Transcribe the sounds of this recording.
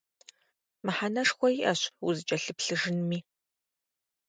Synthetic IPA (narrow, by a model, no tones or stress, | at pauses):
mɨħanɐʂxʷɔjiʔɐɕwuzɨt͡ʃʼɐɬɨpɬɨʒɨnmiː